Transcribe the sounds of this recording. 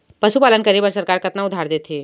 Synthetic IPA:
pəʃupalənkəɾibəɾsəɾkaɾkət̪naʊd̪ʱaɾd̪et̪ʰi

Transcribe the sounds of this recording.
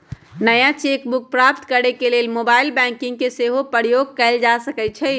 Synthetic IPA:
nəjãt͡ʃekbuk̚pɾapt̪kəɾekelelmobailbɛ̃ŋkĩŋɡ̚keseɦopəɾjoɡ̚kɛɪld͡ʒasəkɛt͡ʃʰɛ

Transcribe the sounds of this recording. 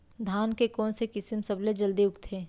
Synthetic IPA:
d̪ʱaːnkekɔːnsekɪsɪmsɐbled͡ʒɐld̪iʊkt̪ʰeː

